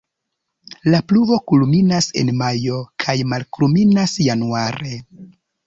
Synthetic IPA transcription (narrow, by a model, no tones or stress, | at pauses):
lapluvo̞kulminase̞̰nmajo̞kʰajmalkluminasjanuaɾe̞